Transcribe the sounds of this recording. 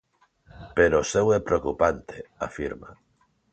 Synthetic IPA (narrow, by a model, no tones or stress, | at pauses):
peɾosewepɾeokupant̪ea̰fiɾma̰